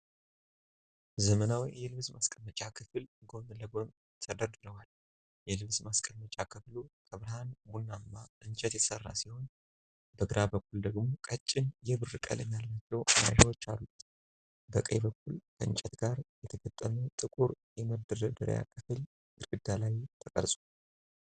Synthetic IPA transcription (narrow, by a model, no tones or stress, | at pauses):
zəmənawijjɛlɨβsmaskʼəmːət͡ʃʼakʰɨfɨlɡo̞mɨləɡom | t̪ʰəd̪əɾd̪ɨɾəwal | jɛlɨβsmaskʼəlmət͡ʃʼakʰɨfluk̪ʰəβɾəhanbunːambaʔɨnt͡ʃʼɛt̪jɛsərːa̰siho̞n | bəɡɨɾabəkːuld̪əɡmo̞kʼət͡ʃʼːɪnjɛβɨrːɨkʼə̰lɨɲjalːat͡ʃːɛwmaʒɛwo̞t͡ʃːa̰lːut̪ | bəkʼə̰jbəkːulkʰəɨ̰nt͡ʃʼɛt̪ɡaɾjɛt̪ʰəɡət̪ʼːəmət̪ʼɨkʼuɾjɛməd̪ɨɾəd̪ɨɾ̰ja̰kʰɨfɨl | ʔɨɾɡɨd̪ːalajt̪ʰəkʼə̰ɾsʼu